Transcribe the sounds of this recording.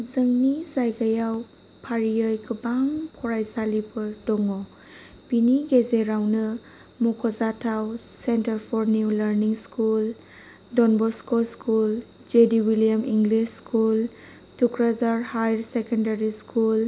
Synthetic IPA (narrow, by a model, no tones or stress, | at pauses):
zəŋnizajɡajaw | pʰaɾiəjkʰəbaŋpʰɔɾajsalibɯdɔŋɔ | biniɡezeɾawnə | mukʰɔzatʰawsentəɾpʰɔɾniwləɾniŋskul | dɔnbɔskoskul | d͡ʒediwiliamiŋɡliskʰul | tʰukʰɾazaɾhajɾsekendaɾiskʰul